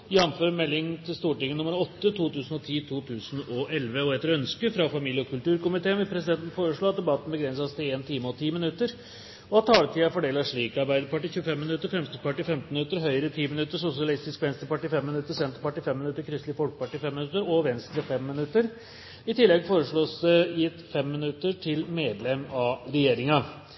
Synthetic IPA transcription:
jɑnføːɾmɛlːɪŋn̩t̪ʰɪlst̪uːʈɪŋːənʊməɾɔt̪ːət̪ʰuːt̪ʉːsn̩ɔt̪ʰiːt̪ʰuːt̪ʰʉːsnɔʔɛlʋəɔɛt̪ːəɾœnskəfɾɑfɑmiːljəɔkʰʉlʈ̪ʉːɾkʊmɪt̪ʰeːənʋɛlpʰɾɛsɪd̪ɛnt̪n̩foːɾəʂɭoːɑt̪̚d̪ɛbɑt̪ːn̩bəɡɾɛnsɑst̪ʰɪleːnt̪ʰiːməɔt̪ʰiːmɪnʉt̪ːəɾ | ɔɑt̪ʰːɑːlət̪ʰiːɑfɔɖeːlɑʂɭiːkɑɾbæɪd̪əɾpɑʈːiːçʉːəfɛmːɪnʉt̪ːəɾfɾɛmst̪əpɑʈːiːfɛmt̪n̩mɪnʉt̪ːəɾɦœʏəɾət̪ʰiːmɪnʉt̪ːəʂʊsɪɑlɪst̪ɪskʋɛnst̪ɾəpɑʈiːfɛmːɪnʉt̪ːəsɛnt̪əpɑʈːiːfɛmːɪnʉt̪ːəɾkʰɾʏst̪lɪfɔlkə̥pɑʈiːfɛmːɪnʉt̪ːəɾɔʋɛnst̪ɾəfɛmːɪnʉt̪ːəɾ | ɪt̪ʰɪlːɛɡfoːɾəʂɭoːsjɪt̪ːfɛmːɪnʉt̪ːəʈʰɪlmeːd̪lɛmɑɾɛjeːɾɪŋɑ

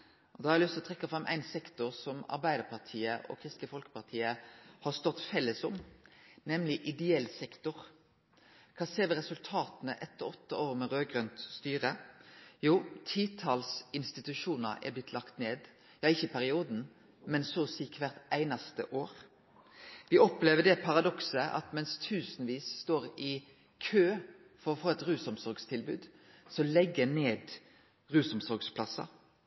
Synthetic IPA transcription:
ʔɔd̪ɑɑɾɪlʏst̪lɔt̪ʰɛkːɑfʁɑmʔæ̰ɪnsɛkt̪ʊʁsɔmɑ̰ɾbæɪd̪əʁpʰɑʁt̪ʰiːəʔɔ̰ːkʰʁɪst̪lɪfɔlkə̥pɑʁt̪ʰiːəhɑːst̪ɔt̪ːfɛlːəsʊmnɛmlɪʔɪd̪ɛɛlsɛkt̪ʊʁ | kʰɑːseːʋɛʁɛsʉlt̪ʰɑːt̪nəʔɛt̪ːɔɔt̪ːɑoːʁmɛʁøːɡʁœnt̪st̪yːʁəjuːt̪ʰiːt̪ʰɑːlsɪnst̪ɪt̪ʉʃuːnəɛ̰blɪt̪ʰlɑkt̪neːd̪ | jɑːɪçəpʰæɾɪuːd̪n̩ | mɛnsoːsiːkʰʋæʁt̪æɪnɑst̪ə̰ʔoːɾ | ʋɪɔpleːʋəɖ̪ɛpʰɑʁɑd̪ɔksəʔɑ̰t̪mɛnst̪ʰʉːsnʋiːsːt̪oːɾɪ | kʰøː | fɔɾɔfoːɛt̪ɾʉːsɔmsɔɾɡst̪ʰɪlbʉːd̪sɔlɛɡːəneːd̪ | ʁʉːsɔmsɔɾɡspʰlɑsɑ̰

